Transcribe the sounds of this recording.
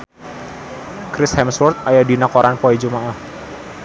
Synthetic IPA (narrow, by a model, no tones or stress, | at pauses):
kɾɪshɛmswɔrt̪̚ajadinakɔɾanpɔid͡ʒumaʔah